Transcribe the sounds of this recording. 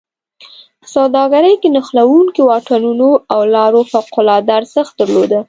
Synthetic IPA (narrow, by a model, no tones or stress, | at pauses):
sawd̪ɑɡaɾəjkenəxlawuŋkiwɑʈanunoawlɑɾofawqʊlɑd̪aɾsaxt̪̚d̪əɾlod̪ə